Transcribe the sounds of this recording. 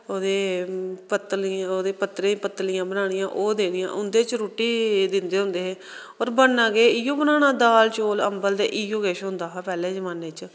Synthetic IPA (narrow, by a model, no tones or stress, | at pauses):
oːd̪eːpət̪loːd̪eːpət̪ɾẽːpət̪ːlɪjãːbənaːɽɪjãːʔoːd̪eːnɪjã̰ːʔʊnd̪eːt͡ʃɾoːʈːiːd̪ɪnd̪eːɦʊ̃nd̪eːɦeː | ɔːɾbənːãːɡeːɪjõːbənaːɽ̃ãːd̪aːlt͡ʃoːləmbəld̪eːʔɪjõːɡeːʃɦʊ̃nd̪aːɦaːpɛːleːd͡ʒəmaːnːeːt͡ʃ